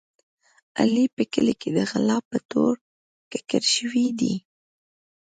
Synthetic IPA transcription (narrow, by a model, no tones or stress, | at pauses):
a̰lipəkəliked̪əɣalɑpət̪oɾ | kɪ̥kəɾʃəwid̪i